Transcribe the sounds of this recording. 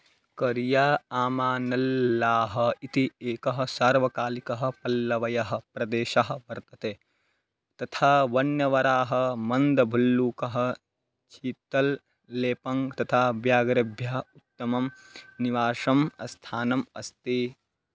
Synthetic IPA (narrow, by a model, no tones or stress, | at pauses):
kɐɾjaːaːmaːnɐlːaːɦɐ̆it̪ieːkɐɦɐ̆saːɾʋɐkaːlikɐɦɐ̆pɐlːɐʋɐjɐɦɐ̆pɾɐd̪eːʃɐɦɐ̆ʋɐɾt̪ɐt̪eː | t̪ɐt̪ʰaːʋɐɳjɐʋɐɾaːɦɐ̆mɐnd̪ɐbʱɐlːuːkɐɦɐ̆ | t͡ʃiːt̪ɐlː | eːpɐŋɡt̪ɐt̪ʰaːʋjaːɡɾɐbʱjɐɦɐut̪ːɐmɐm | niʋaːʂɐmɐ̰st̪ʰaːnɐmɐst̪i